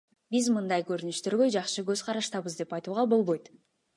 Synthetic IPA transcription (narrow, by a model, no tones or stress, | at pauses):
bizmɯnd̪ɑjkøɾynyʃt̪øɾɡø̞d͡ʒɑqʃɯɡø̞z̥qʰɑɾɑʃt̪ɑβɯzd̪e̞pɑjt̪uːʁɑbo̞lˠβo̞jt̪